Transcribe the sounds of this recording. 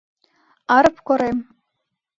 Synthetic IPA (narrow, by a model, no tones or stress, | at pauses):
aɾɨpʰkʷaɾej